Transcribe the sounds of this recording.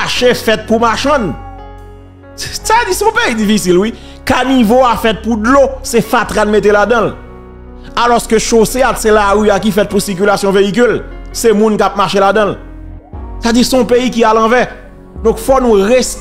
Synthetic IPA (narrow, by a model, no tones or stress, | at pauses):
ʃefɛt̪̚pumaʃɐ̃n | tad͡zisɔ̃peid͡zifisilwi | kanivoafɛt̪̚pud̪losɛfat̪ʁanmet̪̬elad̪ʌ̃l | alɔskøʃoseat̪selaʁyakifɛt̪̚pusiʁk̬ylasjɔ̃veik̬ylsemũnkap̚maʃelad̪ʌ̃l | sad͡ziʁsɔ̃peikialɐ̃vɛ | d̪ɔ̃kfɔnũʁes